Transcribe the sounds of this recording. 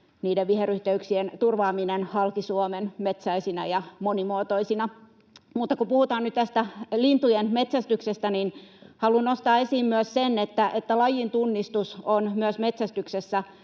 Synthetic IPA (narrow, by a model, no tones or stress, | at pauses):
niːdeʋʋiheryht̪eyksient̪urʋɑːminenhɑlkisuomenmet̪sæisinɑjɑmonimoːt̪oisinɑ | mut̪ːɑkupuhut̪ɑːnyt̪t̪æst̪ælint̪ujenmet̪sæst̪yksest̪æninhɑlunnost̪ɑːesiːmmyøssenːet̪ːæʔet̪ːælɑjint̪unːist̪usonmyøsmet̪sæst̪yksesːæ